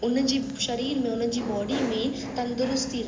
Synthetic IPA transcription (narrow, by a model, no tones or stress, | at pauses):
ʊn̤d͡ʑiː | ʃɐɾiːɾmẽʊn̤̆d͡ʑiːbɔːɖimẽ | t̪ɐ̃nd̪ʊɾʊst̪iɾ